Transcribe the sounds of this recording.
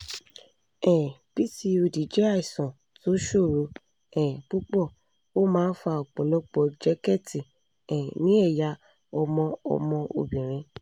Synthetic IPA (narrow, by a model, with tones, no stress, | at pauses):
ɛ̃˨pi˦ti˧o˧di˨˦d͡ʒɛ˦a˦˨i˨sɔ̃˨ | to˨˦ʃo˦˨ɾo˧ | ɛ̃˨bu˦k͡pɔ˦˨ | o˦mãː˦n̩˦fa˧˨ɔ˨k͡pɔ˨lɔ˦k͡pɔ˧d͡ʒɛ˦kɛ˦˨ti˨ | ɛ̃˨nĩ˦ɛ˦˨ja˧˦ | ɔ˧mɔ̃˧ɔ̰˧mɔ̃˧o̰˨bĩ˨ɾ̃ĩ˧